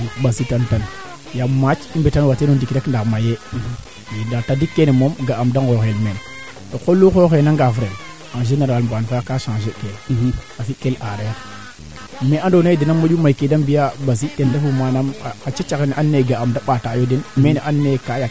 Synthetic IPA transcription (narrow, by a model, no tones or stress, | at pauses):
bazitantan | jamat͡ʃibetanwatenodikdekndamaje | edatadikːenemomɡaʔamdanɡoxemen | okolːuxoxenaŋɡavɾen | aʒenaɾwalmbanfajakaʃãŋʒekeazikelaɾaja | meʔandonaidinamːad͡ʒumakedambijabazitentafumanamakat͡ʃet͡ʃaɣenʔanːeɡaamdaɓatajodinmeneʔanːekaja